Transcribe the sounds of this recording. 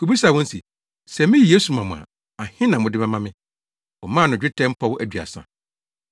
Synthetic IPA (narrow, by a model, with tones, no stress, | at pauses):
kʰu˨bi˦sa˨wɔ̃˦n̩˦si˨ | sɛ˨mɪ̃˦ji˨je˦su˨mã˨mʊ̰̃˨ã̰˨ | a˨hɪ̃˦nã˨mʊ̃˨dɪ˦mɛ̃˦mã˦mɪ̃˦ | ɔ˨mãː˦˨nʊ̃˨d͡ʑᶣɪ˦tʰɛ̃˦m̩˦pʰɔ˦wʊ˦ʔæ˨dɥa̰˨sã̰˨